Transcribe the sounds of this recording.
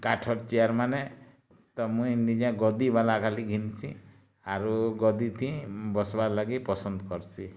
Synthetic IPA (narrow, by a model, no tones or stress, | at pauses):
kaʈʰɔɾt͡ʃiaɾmane | t̪ɔmũindid͡ʒãɡɔd̪ibalakʰaliɡʱinsʰĩ | aɾuɡɔd̪it̪ʰĩbɔsbalaɡipɔsɔnd̪ɔkɔɾsʰi